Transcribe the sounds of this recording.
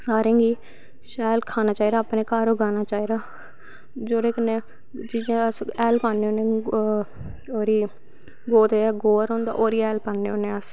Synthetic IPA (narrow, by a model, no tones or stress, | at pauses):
saːɾẽːɡiː | ʃaːlkʰaːnaːt͡ʃaːiːd̪aːpnẽːkaːɾoːɡaːnaːt͡ʃaːiːd̪aː | d͡ʒoːɾeːkənẽː | t͡ʃiːd͡ʒãːəsɛːlpaːneõːnẽː | oːɾiː | ɡoːt̪eɡoːɾõːnd̪a̰ːʔoːɾiːɛːlpaːnːeːoːnẽːəs